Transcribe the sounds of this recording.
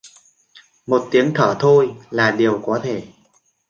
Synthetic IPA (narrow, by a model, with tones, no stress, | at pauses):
mo˨˩t̚t̪i˨˦əŋt̪ʰəː˧˩t̪ʰo˧jlaː˨˩ɗi˨˩əwkɔ˨˦t̪ʰe˧˩